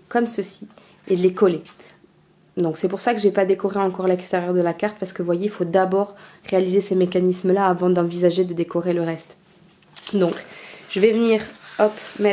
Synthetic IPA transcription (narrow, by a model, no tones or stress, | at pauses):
kɔmsəsi | ed̪əlekɔle | d̪ɔ̃ksɛpuʁsakəʒɛpad̪ekɔʁeɑ̃kɔʁlɛkst̪eʁjœʁd̪əlakaʁt̪paʁsə̥kəvwajeilfod̪abɔʁːealizesemekanismlaːvɑ̃d̪ɑ̃vizaʒed̪əd̪ekɔʁeləʁɛst̪ | d̪ɔ̃kʒ̥əvɛvəniːʁɔpmɛ